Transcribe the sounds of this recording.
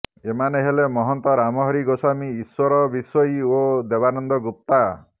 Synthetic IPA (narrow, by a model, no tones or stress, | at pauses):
emaneɦelemɔɦɔnt̪ɔɾamɔɦɔɾiɡosamiːswɔɾɔbiswɔiod̪ebanɔnd̪ɔɡup̚t̪a